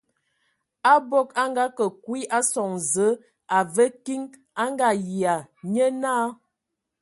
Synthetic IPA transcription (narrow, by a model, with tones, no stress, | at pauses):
a˦bo˦ka˦ŋɡa˦kə˨kwi˦ʔa˦sɔ˨ŋzə˨˦ | a˨və˦ki˦ŋ | a˦ŋɡa˨ji˨a˨ɲə˦naː˦